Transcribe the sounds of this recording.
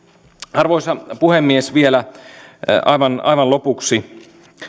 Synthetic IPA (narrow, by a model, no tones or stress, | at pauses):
ɑrʋoisɑpuhemːiesʋielæ | ɑ̰iʋɑnɑ̰jʋɑnlo̞puksi